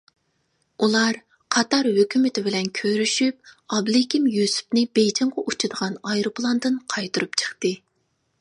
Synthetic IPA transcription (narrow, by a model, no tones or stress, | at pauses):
ulˠɑɾ | qʰɑt̪ɑɾhøkʲymɪt̪ʰɪbɪlɛnkʲʰøɾyʃyp̚ɑblˠekʲimjysu̥pnɪbejd͡ʒɪɴʁɑʔut͡ʃʰɨd̪əʁɑnɑjɾopʰlˠɑnd̪ɨnqʰɑjt̪ʰuɾupt͡ʃʰə̥χt̪ɨ